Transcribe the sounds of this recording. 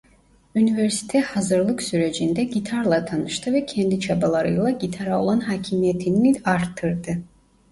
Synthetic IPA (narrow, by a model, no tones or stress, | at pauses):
yniveɾsi̥t̪ʰɛhazɯɾlˠɯksyɾe̞d͡ʒind̪ɛɟit̪ʰaɾlˠat̪ʰanɯʃt̪ʰɯvɛcʰɛnd̪it͡ʃʰabalˠaɾɯjlˠaɟit̪ʰaɾao̞lˠanɦaːcʰimijet̪ʰiniaɾt̪ʰːɯɾd̪ɯ